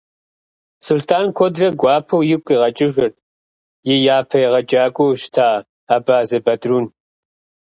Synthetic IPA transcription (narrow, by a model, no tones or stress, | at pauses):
sultʰaːnkʷʰɔdrɐɡʷɑːpʰɐwjɪkʷʼiʁɐt͡ʃʼɪʒɨrtʰʼ | jɪjaːpʰɐjɪʁɐd͡ʒʼaːkʷʼɔwʃtʰaː | aːbaːzɨbɐdruːn